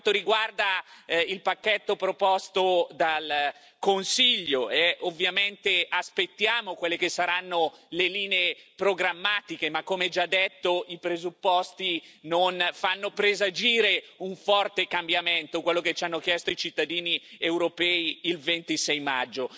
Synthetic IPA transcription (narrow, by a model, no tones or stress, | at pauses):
nt̪oɾiɡward̪ailpakːet̪ːopɾopɔst̪od̪al | konsiʎːoeʔovːjament̪easpet̪ːjaːmokwelːekesːaɾanːoleliːneepɾoɡɾamːaːt̪ik̟emakːomeɛd͡ʒad̪ːet̪ːoipɾezupːɔst̪inonfanːopɾezad͡ʒiːɾeuɱfɔrt̪ekambjament̪okwelːoket͡ʃːanːokjɛst̪oit͡ʃit̪ːad̪iːniewɾopɛːiːlvent̪isɛjmad͡ʒːo